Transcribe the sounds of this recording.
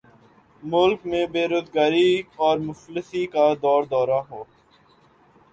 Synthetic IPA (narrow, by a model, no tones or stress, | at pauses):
mʊlkmẽbeːɾoːzɡaːɾiɔːɾmʊfləsikad̪ɔːɾd̪ɔːɾaɦoː